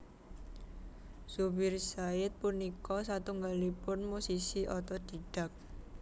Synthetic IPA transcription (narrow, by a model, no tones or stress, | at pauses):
subɪrsaɪt̪̚punikɔsat̪uŋɡalipʊnmusisiʔɔt̪ɔd̪̥i̤ɖ̥a̤k̚